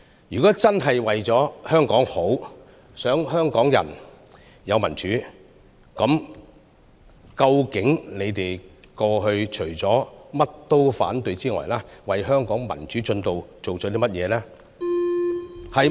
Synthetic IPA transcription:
jyː˨kɔː˨˥t͡sɐ˥nɦɐ˨jwɐ˨jt͡sɔː˨˥hœː˥ŋkɔː˨˥ŋho˨˥w | sœː˨˥ŋɦœː˥ŋkɔː˨˥ŋjɐ̰˨˩n | jɐ˨˧wmɐ˨˩nt͡ʃyː˨˥ | kɐ˨˥m | kɐ˧wkɪ˨˥ŋne˨˧jt̪e˨jkɔː˧ɦɵ˧ɥt͡ʃʰɵ˨˩ɥt͡sɔː˨˥mɐ˥t̚t̪o˥wfa̰ː˨˥nt̪ɵ˧ɥt͡siː˥ŋɔ̰ː˨jlaː˥wɐ˨jɦœː˥ŋkɔː˨˥ŋmɐ̰˨˩nt͡ʃyː˨˥t͡ʃɵ˧nt̪o˨wt͡so˨wt͡ʃɔː˨˥t̪i˥mɐ˥t̚jɛː˨˧lɛː˥ | hɐ˨j

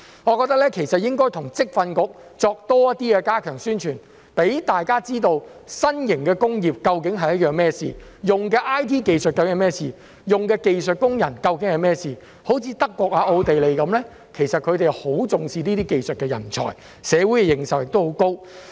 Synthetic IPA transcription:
ŋɔ˨˧kɔː˧t̪ɐ˥k̚lɛː˥kʰe˨˩jsɐ˨t̚jɪ˥ŋkɔː˥jt̪ʰʊ˨˩ŋt͡sɪ˥k̚fɐ˧nkʊ˨k̚t͡sɔː˧k̚t̪ɔː˥jɐ˥t̪iː˥kɛ˧kaː˥kʰœː˨˩ŋsyː˥nt͡ʃʰyː˨˩n | pe˨˥jt̪aː˨jkaː˥t͡siː˥t̪o˧wsɐ˥njɪ˨˩ŋkɛː˧kʊ˥ŋjiː˨p̚kɐ˧wkɪ˨˥ŋɦɐ˨jɐ˥t̚jœː˨ŋmɛː˥sḭː˨jʊ˨ŋkɛː˧ʔaː˥jt̪ʰiː˥ke˧jsɵ˨t̚kːɐ˧jɛː˧mɛː˥siː˨ | jʊ˨ŋkɛː˧ke˧jsɵ˨t̚kʊ˥ŋjɐ˨˩nkɐ˧wkɪ˨˥ŋhɐ˨jmɛː˥siː˨ | ho˨˥wt͡sʰiː˨˧t̪ɐ˥kːwɔː˧k̚aː˨˧ʔo˧wt̪e˨jle˨jkɐ˨˥mlɛː˥ | kʰe˨˩jsɐ˨t̚kʰɵ˨˧t̪e˨jho˨˥wt͡sʊ˨ŋsiː˨niː˥iː˥ke˧jsɵ˨t̚kɛː˧jɐ̰˨˩nt͡sʰɔ̰ː˨˩j | sɛː˨˧wuː˨˥jkɛ˧jɪ˨˩ŋsɐ˨wjɪ˨k̚t̪who˨˧˥wko˥w

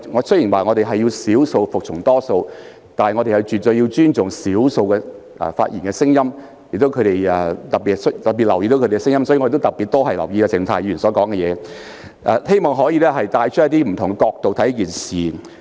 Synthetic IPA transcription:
ŋɔː˨˧sɵ˥ji˨˩nwaː˨ŋɔː˨˧ɾe˨jɦɐ˨jːiː˧wsiː˨˥wso˧wfʊ˨k̚t͡ʃʰʊ˨˩ŋt̪ɔː˥so˧w | t̪aː˨nhɐ˨jŋɔː˨˧ɾe˨jɐ˨˧wt͡ʃyː˨t̚t̪ɵ˧ji˧wt͡ʃyː˥nt͡sʊ˨ŋsiː˨˥wso˧wkɛː˧ | ʔfa̰ː˧t̚jḭː˨˩nkɛː˧sɪ˥ŋjɐ˥m | jɪ˨kt̪o˨˥wkʰɵ˨˧ɾe˨jɛ˨˩t̪ɐ˨˩pi˨st̪ɐ˨t̚pi˨t̚lɐ˨˩wjiː˧t̪o˨˥kɵ˧e˨˧ɛ˥sɪ˥ŋjɐ˥msɔː˨˥ji˧ŋɔ˧e˨to˥t̪t̚pi˨t̪ːo˥ɦɐ˨jlɐ˨˩wjiː˧a˧sʰɪ˨˩ŋ˩t̪ʰaː˨˩jyː˨˩nsɔː˨˥kɔː˨˥ŋkɛ˧jɛ̰ː˨˧ | ʔɛ˧he˥jmɔː˨˩ŋɦɔː˨˥jiː˧lɛː˥ɦɐ˨jt̪aː˧jt͡ʃʰtjɐ˥t̪iː˥m̩˨˩t̪ʰʊ˨˩ŋɡɛ˧˥kɔː˧k̚t̪o˨wt̪ʰɐ˨˥jɐ˥k̬iː˨nsiː˨

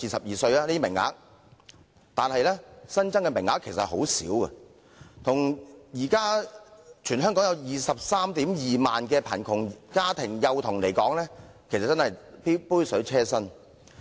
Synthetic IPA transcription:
iː˨sɐ˨p̚jiː˨sɵ˧ɥaː˦niː˥i˥mɪ˨˩ŋːa̰ː˨˥k̚ | t̪aː˨nhɐ˨jlɛː˥sɐ˥nt͡sɐ˥ŋkɛ˧mɪ˨˩ŋːaː˨˥kʰːe˨˩jsɐ˨t̚ho˨˥wsiː˨˥wkɐ̰˧ | t̪ʰʊ˨˩ŋjiː˨˩kaː˥ | t͡ʃʰyː˨˩nɦœː˥ŋkɔː˨˥ŋjɐ˨˧wjiː˨˩sɐ˨p̚saː˥mt̪iː˨˥mjiː˨maː˨nk̬ɛː˧pʰɐ̰˨˩nkʰʊ˨˩ŋkaː˥t̪ʰɪ˨˩ŋjɐ˨˧wt̪ʰʊ˨˩ŋle˨˩jkɔː˨˥ŋlɛː˥kʰe˨˩sɐ˨t̚t͡sːɐ˥nhɐ˨jpi˥puː˥jsɵ˨˥t͡sʰɛː˥sɐ˥n

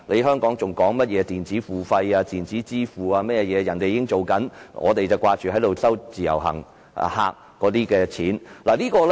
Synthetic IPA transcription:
le˨˧ɦœː˥ŋkɔː˨˥ŋt͡sʊ˨˩ŋkɔː˨˥ŋmɐ˥t̚jɛː˨˧t̪iː˨nt͡siː˨˥fuː˨˩fɐ˧jaː˧t̪iː˨˩nt͡siː˨˥t͡siː˥fuː˨aː˧mɛː˥˧jɛː˨˧jɐ˨˩nt̪e˨jiː˧kɪ˥ŋt͡so˨wkɐ˨˥nŋʔɔ̰ː˨˧t̪e˨jt͡sɐ˨˩wkʷaː˧t͡ʃyː˨˩ɐ˨˥jt̪o˨wsɐ˥wt͡siː˨˩jɐ̰˨˩wɦɐ̰˨˩ŋ̰˨ | ha̰ː˧k̚ːɔː˨˧˥t̪iː˥kɛː˧t͡sʰiː˨˥nlaː˨liː˥kɔː˧l

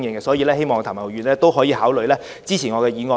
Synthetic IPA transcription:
ŋjɛ˨˧ŋɡɛ˧sɔː˨˥jiː˨˧lɛː˥he˥jmɔː˨ŋ˧t̪ʰaː˨˩mɐ˨wjyː˨nlɛː˥t̪o˥wɦɔː˨˥jiː˧haː˨˥wlɵ˨ɥlɛː˥ | t͡siː˥t͡sʰiː˨˩nŋɔː˨˧kɛː˧jiː˨˧ŋɔː˧

